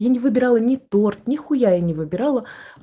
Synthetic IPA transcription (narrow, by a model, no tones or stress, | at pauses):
janʲɪvɨbʲɪɾɑlˠənʲɪt̪ort̪̚nʲɪxʊjajanʲɪvɨbʲɪɾɑlˠə